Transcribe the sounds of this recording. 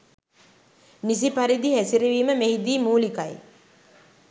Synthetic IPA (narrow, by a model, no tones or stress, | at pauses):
nis̬ipaɾid̪ihæsiɾiʋiːməmehid̪iːmuːlikaj